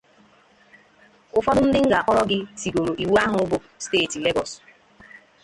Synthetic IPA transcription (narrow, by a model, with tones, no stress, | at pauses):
ʊ˦fɔ˦dʊ˦n̩˦dɪ˦ŋ̩˦ɡa˨a˨kɔ˦ɾɔ˦ɡɪ˦si˨ɡo˨ɾo˨ʔi˨we˦a˦ɦʊ˨ʊ˦bʊ˨ | steː˦˨ti˨le˦ɡɔ˨s